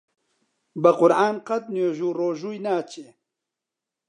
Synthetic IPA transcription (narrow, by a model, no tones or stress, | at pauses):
bɐqʊɾʕaːnqɐt̪̚noːʒuːroːʒuːjnaːt͡ʃeː